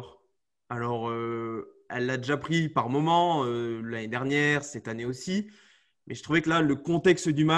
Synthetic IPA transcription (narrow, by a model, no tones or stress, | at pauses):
alɔʁø | ɛ̰lːad̪eʒapχipaʁmɔmɑ̃ølaned̪ɛʁnjɛʁsɛt̪aneosi | mʔɛʒət̪χuvɛkəlaləkɔ̃t̪ɛkst̪əd̪yma